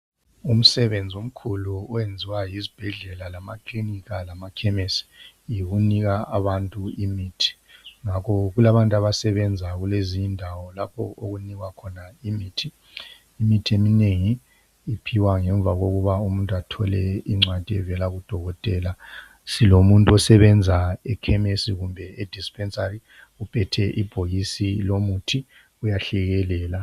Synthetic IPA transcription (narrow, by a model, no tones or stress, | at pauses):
um̩sɛβend͡zʱium̩kʰuluːwend͡zʱiwajizib̥ʱɛɮɛlalamakʼliniɣalamakʰɛmesi̥ | jiɣuniɣaʔaβantʼuimiːtʰi̥ | ŋakʰɔɣulaβantʼaβasɛβɛnd͡zʱaɣuleziɲndʱawɔlapʰɔ̰ʔoɣuniɣwakʰɔnaimiːtʰiː | mitʰiemineŋiː | pʰiwaŋɛɱb̪vʱaɣoɣuβaumuntʼatʰɔlɛiŋ͡ǀad̥ʱiɛvɛlaɣud̥ʱɔɣɔtʼɛːla | silomuntʼuɔsɛβɛnd͡zʱaɛkʰɛmesiɣumbʱɛed̥ʱispʰɛnsʼari | upʰɛtʰɛʔib̥ʱojisilomutʰi | ujaɬɛɣɛlɛːla